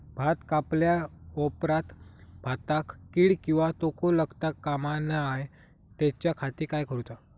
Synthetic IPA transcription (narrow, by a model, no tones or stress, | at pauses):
bʱat̪kapljaɔpɾat̪bʱat̪akːiːɭkĩw̃ʋat̪okoləɡt̪akːamanaj | t̪ɛt͡ɕjakʰat̪iːkajkəɾut̪a